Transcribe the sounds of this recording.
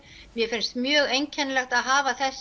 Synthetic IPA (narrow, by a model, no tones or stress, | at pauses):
mjɛfɪnst̪mjœːɣejɲcʰɛnlɛxt̪aðɦaːvaθɛsː